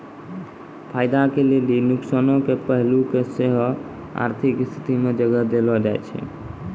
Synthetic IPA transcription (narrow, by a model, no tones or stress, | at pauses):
pʰajd̪akelelinuksənõkepəɦlukeseɦɔ | a̰ɾt̪ʰikst̪ʰi̥t̪imed͡ʒəɡəd̪elɔd͡ʒajt͡ʃʰɛ̰